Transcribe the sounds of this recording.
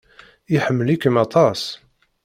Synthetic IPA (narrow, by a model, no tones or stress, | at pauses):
iħəmːəlikəmɑt̪ˤɑs